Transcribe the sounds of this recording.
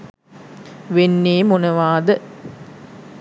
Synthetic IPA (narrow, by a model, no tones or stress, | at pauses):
ʋenːeːmonɐʋaːd̪ə